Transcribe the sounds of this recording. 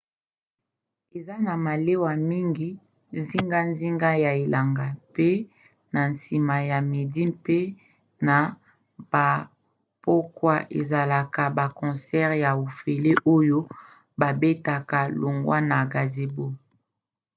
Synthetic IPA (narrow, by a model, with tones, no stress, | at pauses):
e˨za˦na˨ma˨le˦wa˨mi˦ŋɡi˦ | zi˦ŋɡa˦nzi˦ŋɡa˦ja˨e˨la˨ŋɡa˨pe˦ | na˨nsi˨ma˨ja˨me˨di˦mpe˦ | na˨ | b̥a˨ | po˦kwa˦ʔḛ˨za˨la˨ka˨ba˨kɔ̃˨sɛ˦ʁja˨o˨fe˨le˦ʔo˦jo˦ | ba˨be˦ta˨ka˨lo˨ŋɡwa˦na˨ɡa˨ze˨bo˦